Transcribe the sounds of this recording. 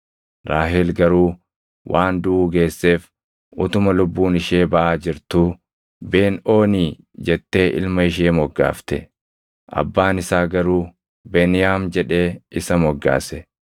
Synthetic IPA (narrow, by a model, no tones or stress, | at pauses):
ɾaːɦɪlɡɐɾuː | wʔaːnd̪ʊʔuːɡe̞ːsːe̞ːf | ʔʊt̪ʊmɐlʊbːuːnɪʃeːbɐʔaːd͡ʒɪɾt̪u | be̞ːno̞ːniː | d͡ʒɛt̪ːe̞ːʔɪ̰lmɐɪʃ̬eːmɔɡːa̰ːft̪ɛ̰ | ʔɐ̰bːaːnɪsaːɡɐɾuː | beːnɪjaːmd͡ʒɛᶑe̞ːɪsɐmɔɡːa̰ːsɛ